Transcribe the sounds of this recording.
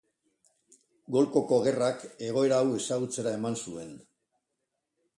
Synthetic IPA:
ɡo̞lko̞ko̞ɣe̞rake̞ɣ̞o̞e̞ɾaːwe̞saɣut͡se̞ɾae̞mansue̞n

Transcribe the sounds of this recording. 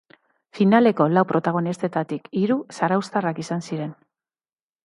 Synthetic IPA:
finale̞ko̞lawpɾo̞t̪aɣ̞o̞nist̪e̞t̪at̪ikiɾusaɾawst̪arakisansiɾe̞n

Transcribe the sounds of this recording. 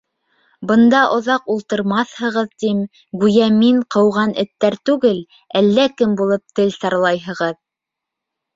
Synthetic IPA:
bɤ̆nd̪ɑʔŏðɑqulˠt̪ɤ̆ɾmɑθhɤ̆ʁɤðt̪im | ɡʉjæmiɴqɤ̆wʁɑnʔɘ̆t̪ːæɾt̪ʉɡɘl | ælːækɘmbulˠɤp̚t̪ɘlsɑɾlˠɑjɦɤ̆ʁɤð

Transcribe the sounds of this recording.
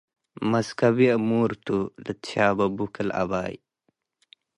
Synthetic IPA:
mɐskɐbiəmuːɾt̪ulɨabɐbukəlʔa̰baːj

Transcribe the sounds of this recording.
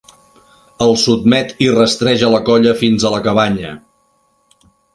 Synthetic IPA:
əlˠsub̪̚mɛt̪irəst̪ɾɛʒələkɔʎəfinzələkəβaɲə

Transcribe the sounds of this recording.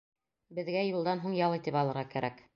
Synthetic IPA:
bɘ̆ðɡæjulˠd̪ɑnɦuɴjɑlˠɤ̆jt̪ipɑlˠɤ̆ɾʁɑkæɾʔæk

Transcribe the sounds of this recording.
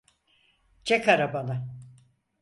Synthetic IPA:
d͡ʒɛkaɾabalˠɯ

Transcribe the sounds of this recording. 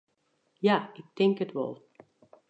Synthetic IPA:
jaɪk̚tʰɪŋkətʋɔ̰lˠ

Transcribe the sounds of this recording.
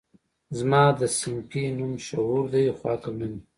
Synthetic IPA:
zmɑd̪əsɪŋkinumʃauɾd̪ajxwɑːkamɪn

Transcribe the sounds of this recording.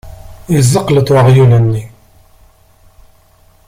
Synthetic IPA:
izːəqːlət̪wəʁjulənːi

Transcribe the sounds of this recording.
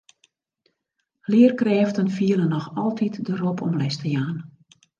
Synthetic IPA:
lɪːərkrɛːftənfiələnɔxɔlˠtʰitdəropʰɔmlɛstəjaːn

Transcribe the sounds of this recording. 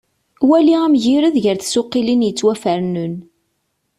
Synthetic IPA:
wæliæmʝiɾəðʝəɾθsʊqːilinjət͡sːwæfəɾnun

